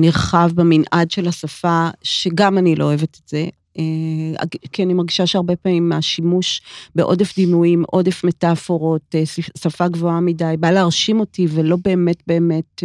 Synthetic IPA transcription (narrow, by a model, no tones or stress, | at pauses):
niʁχavbeminʔadʃelhasafaʃe̞ɡamanilooːevete̥tz̥e̞ | ea̰kianimaʁɡiʃaʃeaʁbe̞paːmimːaʃimuʃbeʔo̞̰defd̪inuimʔo̞defme̞tafo̞ʁo̞tesafaɡvo̞amidajbaleːʁʃimo̞tivelo̞be̞ːme̞tbe̞ːme̞t